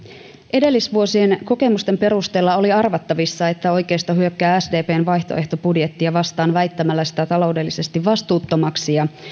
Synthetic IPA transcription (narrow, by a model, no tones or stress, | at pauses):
ʔe̞de̞lːisʋuo̞sie̞nko̞ke̞must̪e̞mpe̞ɾust̪e̞ːlːɑo̞liɑrʋɑt̪ːɑʋisːɑe̞t̪ːæo̞jke̞ːst̪ɑɦyø̞kːæːæsde̞ːpe̞ːnʋɑjçt̪o̞̰ʔe̞ht̪o̞pudje̞t̪ːiɑʋɑst̪ɑːnʋæjt̪ːæmælːæsi̥t̪æt̪ɑlo̞wde̞lːise̞st̪iʋʋɑst̪uːt̪ːo̞mɑksijɑ